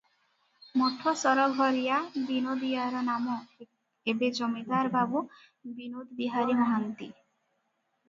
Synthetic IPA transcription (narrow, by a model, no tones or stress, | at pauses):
mɔʈʰɔsɔɾɔɡʱɔɾijabinod̪ijaɾɔnamɔ | ebed͡ʒɔmid̪aɾbabu | binod̪biɦaɾimɔɦant̪i